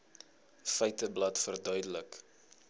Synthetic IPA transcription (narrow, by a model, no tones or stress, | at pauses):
fɛjtəblɐtfərdœɥdələk